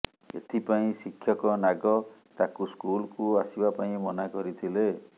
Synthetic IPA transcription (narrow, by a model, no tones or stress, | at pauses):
ḛt̪ʰipaĩsikʰːjɔkɔnaɡɔt̪akuskulkuasibapaĩmɔnakɔɾit̪ʰile